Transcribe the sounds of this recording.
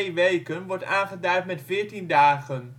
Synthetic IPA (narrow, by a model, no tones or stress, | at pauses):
ʋejkənʋɔɹtaːnχədœɥtmɛtfɪːɹtindaːχən